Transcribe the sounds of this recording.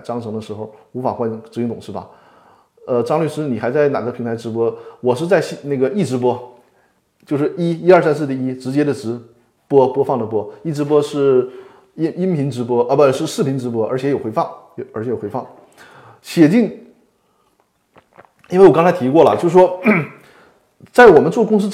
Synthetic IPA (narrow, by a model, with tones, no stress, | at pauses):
ʈ͡ʂɑ˥ŋʈ͡ʂʰɤ˧˥ŋd̪ə˧ʂɻ̩˧˥xo˥˩ʊu˧˥fa˨˩xwa˥n˥˩ʈ͡ʂɻ̩˧˥˧t̪ʊ˨˩ŋ˩ʈ͡ʂɻ̩˥˩ɐ̰˨˩ | ə˧ʈ͡ʂɑ˥ŋly˥˧ʂɻ̩˥ni˨˩xa˧˥ɪt͡sa˥˩ɪna˨˩ɡə˦pʰi˧˥ŋt̪ʰa˧˥ɪʈ͡ʂɻ̩˧˥pwɔ˥wɔ˨˩ʂ̬ɻ̩˥˧t͡sa˥˧ɪɕna˥˩ɡə˩i˥˩ʈ͡ʂɻ̩˧˥pwɔ˥ | t͡ɕjo˥˧ʊʂɻ̩˥˩i˥i˥ɐ˞˥˩sa˥ns̬ɹ̩˥˧t̪i˥˩i˥ʈ͡ʂɻ̩˧˥t͡ɕjɛ˥d̪ə˨ʈ͡ʂɻ̩˧˥ | pwɔ˥pwɔ˥fɑ˥˩ŋd̪ə˩p̬wɔ˥i˥˩ʈ͡ʂɻ̩˧˥p̬wɔ˥ʂɻ̩˥˩ | i˥i˥npʰi˧˥ŋʈ͡ʂɻ̩˧˥pwɔ˥ʔə˧˩bə˧ʂɻ̩˥˧ʂɻ̩˥˩pʰi˧˥ŋʈ͡ʂɻ̩˧˥p̬wɔ˥ə˞˧˥t͡ɕʰjɛ˧˥jo˨˩ʊxe˧˥ɪɑ˥˩ŋ˧ə˞˧˥ɕʰɛ˧˥jo˨˩wɪɑ˥˩ŋ | ɕjɛ˨˩t͡ɕi˥˩ŋ | i˥nwe˥˩ɪwɔ˨˩kɑ˥ŋ˥t͡sʰɪt̪ʰi˧˥kwɔ˥˩lə̰˩t͡ɕjo˥˧ʊʂ̩˧ʂwɔ˥ | t͡sa˥˩ɪwɔ˨˩mə˦nt͡swɔ˥˩˧kʊ˥ŋs̬̩˥